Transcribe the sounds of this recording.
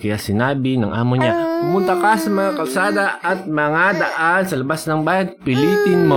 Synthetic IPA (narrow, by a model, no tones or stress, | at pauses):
kɐjasɪnaːbɪnɐ̰ŋʔa̰ːmoɲapʊmʊnt̪ɐkasɐmɐŋakɐlsaːd̪ɐʔɐt̪̚mɐŋad̪ɐʔansɐlɐbasnɐŋbaːjɐnpɪliːp̪ɪnmo